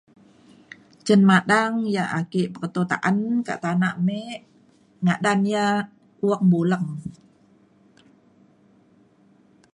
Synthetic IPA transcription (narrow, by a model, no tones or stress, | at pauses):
t͡ʃənmaɗaŋjaʔakeʔpərt̪ot̪a̰ʔanka̰ʔt̪anaʔmɛʔ | ŋaʔdanja | uək̚buləŋ